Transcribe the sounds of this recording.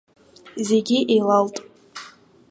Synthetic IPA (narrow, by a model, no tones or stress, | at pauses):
ze̞ɡʲiʔejlaltʼ